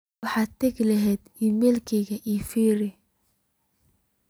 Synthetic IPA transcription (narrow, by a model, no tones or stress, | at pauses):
ɑħɑːt̪ʰɛɣlɐɦɛjd̪̥imɛlkʰɛɣɐʔifiːɾɪ